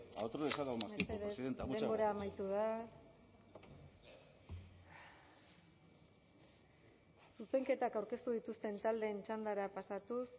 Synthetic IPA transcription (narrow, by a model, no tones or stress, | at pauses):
a̰wt̪oɾesalamameseɾesiðent̪ed̪embo̞ɾaːmajt̪uða | suse̞ŋke̞t̪akawɾke̞st̪uð̞it̪ust̪e̞nt̪ald̪e̞ːnt͡ʃand̪aɾapasat̪us